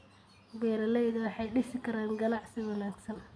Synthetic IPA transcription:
bɛːɾɐlɛjðɐwɑħɑjɖɪsɪkʰɐɾaːŋɡɐlɑʕsɪwɐnaːɡsɐn

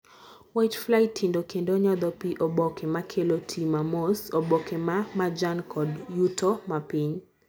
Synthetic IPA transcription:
wajtflaɪtʰːindokendoɲɔd̪ɔpiʔobɔkʰemakʰelotʰimamosobɔkemamad͡ʒankʰɔdjutomapiɲ

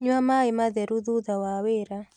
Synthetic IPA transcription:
ɲwamaimaðɛɾuðuðawaweɾa

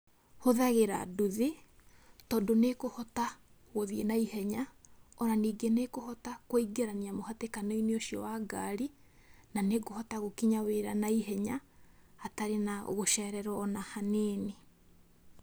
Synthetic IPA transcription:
hoðaɣeɾa̰duðe | tɔːndonekohɔta | ɣoðienaiɦɛɲaɔɾaniːɡenekohɔtakwoiɡeɾaniamohatekanoineoʃiɔwaɡaɾi | naneɡohɔtaɣokiɲaweɾanaiɦɛɲaː | taɾenao̰ɣoʃɛːɾɛɾɔːnahanene

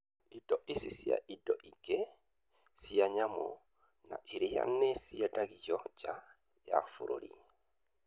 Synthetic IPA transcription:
ʔidɔʔisisija̰ʔidɔʔiɡ̥ɛ | sijaɲamɔ | na̰ʔiɾija̰nːɛsijadaɡijɔd͡ʒa | ja̰fuɾoɾḭ

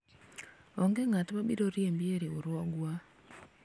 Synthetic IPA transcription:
ɔŋɡeŋatmabḭɾoɾjembjeɾeoɾwɔɡwa

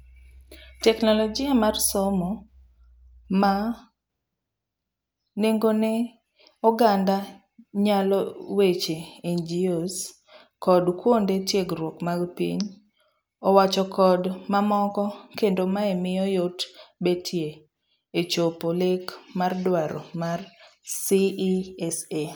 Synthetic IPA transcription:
tɛknɔlɔd͡ʒɪamarsomɔ | ma | neŋɡonɛ | ɔɡanda | ɲalɔwet͡ʃeend͡ʒios | kɔdkwondetjeɡɾwokmaɡpḭɲ | ɔwat͡ʃɔkʰɔdmamɔkɔkendomaemɪjɔjotbetʰjeː | t͡ʃopolekmardwaɾɔmarsiɛse

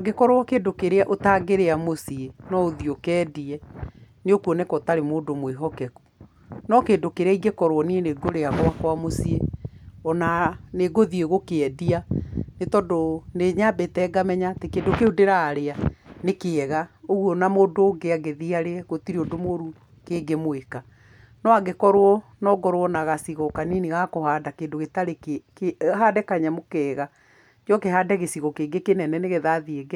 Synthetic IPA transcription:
ɡekɔɾowakeːdokeɾeaʔotaːɡeɾeamosienɔoðiokɛːdiɛ | neokuɔnekɔtaɾemoːdomweɦɔkɛku̥ | nɔkeːndokeɾeaiɡekɔɾwɔnieneɡoɾeaɣoakwamosieɔnaneɡoðieɣokeɛdianetɔdoneɲabetɛɡamɛɲatekeːndokeodeɾaːɾeanekeɛɣaoɣuɔnamodoːɡeaɡeðiaɾeɛɣotiɾiodomoɾu | keɡemweka | nɔaɡekɔɾoɔ | nɔɡɔɾowɔnaɣasiɣɔkaniniɣakohaːdakeːndoɣetaɾek | ɦaːdɛkaɲamokɛːɣa | d͡ʒɔkeɦaːdɛɣesiɣɔkeːɡekenɛnɛneɣeðaðieɡɛ

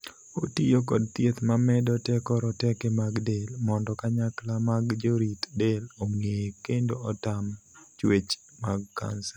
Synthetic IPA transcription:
otijokɔdt̪jet̪mamɛdɔtɛkɔɾɔtɛkemaɡdelmɔndɔkaɲaklamaɡd͡ʒoɾit̪deloŋekendoɔtamt͡ʃwet͡ʃ | maɡ̚ka̰nsɛ

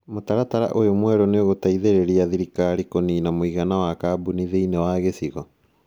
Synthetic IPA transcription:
motaɾataɾa̰ʔojomwɛɾɔneoɣotaiðeɾeɾiaðiɾikaɾikoninamoiɣanawakabuniðeinewaɣesiɣɔ

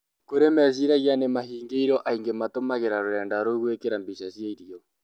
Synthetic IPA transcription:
koɾemɛziɾaɣianemahiːŋɡeiɾɔʔaiŋɡematomaɣeɾaɾoɾɛːndaɾoɣwekeɾambiʃasjaiɾiɔ

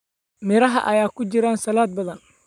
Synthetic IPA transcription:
mɪɾɐɦɐ̰ʔɐ̰jaːkʰʊt͡ʃɪɾaːnsɐlaːd̪̚bɐðɐn

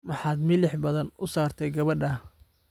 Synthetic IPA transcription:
mɑħɑːd̪mɪlɪħbɐðɐnʊsaːrt̪ʰɛjɡɐβɐɖɐ

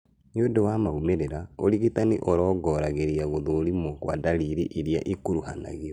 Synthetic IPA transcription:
ɲodowamaumeɾeɾaoɾiɣitaniʔɔɾɔːɡɔɾaɣeɾiaɣoðoːɾimɔkwa̰daliɾiʔeɾjaʔikuɾuhana̰ɣiɾɔ

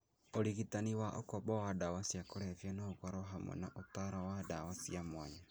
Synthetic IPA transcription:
oɾiɣitaniwaʔokɔβɔwadawasjakoɾɛvjanaoɣwaɾɔɦamwɛ̰na̰ʔotaɾawadawasiamwaɲa

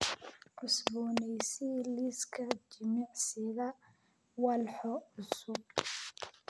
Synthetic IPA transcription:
ʕʊsbɔːnɛjsiliskʰɐt͡ʃɪmɪʕsɪɣɐ | wɑlħɔʊsʊɡ̚

